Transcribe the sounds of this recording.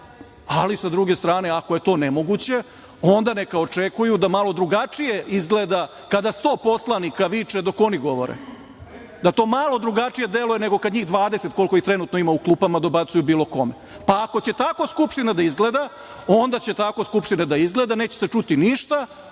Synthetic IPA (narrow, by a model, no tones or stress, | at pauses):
alisad̪ɾuɡe̞st̪ɾaːne̞ako̞je̞t̪o̞ːnemo̞ɡut͡ɕe̞ | o̞nd̪anekao̞t͡ʂekujud̪amalo̞d̪ɾuɡat͡ʂijeizɡled̪a | kad̪ast̪o̞ːpo̞slˠanikaʋit͡ʂed̪o̞ko̞niɡo̞ʋo̞̰ɾḛ | d̪at̪o̞ːmalˠo̞d̪ɾuɡat͡ʂije̞d̪elujene̞ɡo̞kad̪ɲiːɣd̪ʋaːd̪ese̞t̪kolko̞it̪ɾe̞nut̪noimauklˠuːpamad̪obat̪sujubiːlˠo̞ko̞me | paːko̞t͡ɕe̞t̪ako̞skupʃt̪inad̪aizɡled̪a | o̞nd̪at͡ɕe̞t̪ako̞skupʃt̪inad̪aizɡle̞ːd̪aneːt͡ɕeset͡ʂut̪iniʃt̪a